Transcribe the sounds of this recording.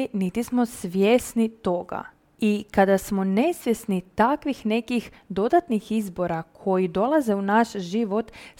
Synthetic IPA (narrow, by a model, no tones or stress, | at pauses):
init̪ismo̞sʋjesnit̪o̞ɡa̰ | ikad̪asmo̞ne̞sʋjesnit̪akʋixnekix | d̪o̞d̪at̪nixizbo̞ɾakʰo̞jid̪o̞lˠaze̞unaʃʒiʋo̞t̪